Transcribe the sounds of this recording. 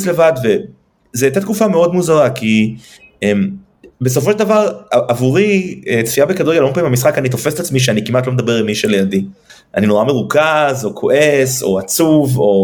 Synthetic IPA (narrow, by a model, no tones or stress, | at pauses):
sle̞vad̪ve | zet̪at̪kufame̞o̞d̪muzaʁaki | em | bes̬ofoʃeldavaʁʔavuʁiet͡sfiabekad̪uɡelompaimhamisχakanit̪o̞fese̥t̪at͡smiʃ̬eanikimat̪lomd̪abe̞ʁilmiʃelejadi | ʔa̰nino̞ʁame̞ʁukazo̞kʰo̞ʔeso̞̰at͡suvo̞